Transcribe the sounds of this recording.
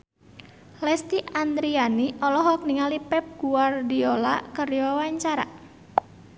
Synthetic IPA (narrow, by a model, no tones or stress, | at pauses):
lɛst̪iʔand̪ɾianiɔlɔɦɔk̚niŋalipɛp̚ɡ̥uardiola̰kərwawaɲt͡ʃaɾa̰